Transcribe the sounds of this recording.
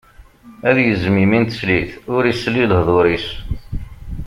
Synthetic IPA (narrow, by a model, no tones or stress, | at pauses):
æðjəzmimint̪ə̥sliθʊɾislilhðˤoɾis